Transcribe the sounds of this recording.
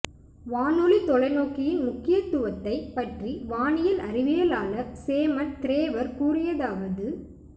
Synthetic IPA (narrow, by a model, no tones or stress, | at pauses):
ʋaːnulit̪ɔlɐɪnoːkːɪjɪnmʊkːɪjɐt̪ːʊʋɐt̪ːɐɪpɐʈriʋaːɳɪjɐlʔɐrɪʋɪjɐlaːlɐseːmɐnt̪ɪɾeːʋɐɾkuːrɪjɐðaːʋɐðɯ